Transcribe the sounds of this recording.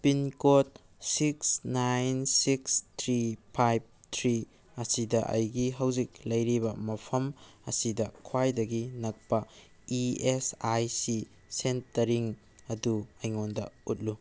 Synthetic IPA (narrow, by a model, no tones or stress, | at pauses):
pinkot̚ | siksnajnsikstʰɾipʰajb̚tʰɾi | ɐsidɐʔɐ̰jɡiɦɐwzik̚lɐjɾibɐmɐpʰɐmɐ̰sidɐkʰwajdɐɡinɐk̚pɐ | iesajsi | sentɐɾiŋ | ɐduɐjŋondɐ̰ut̚lu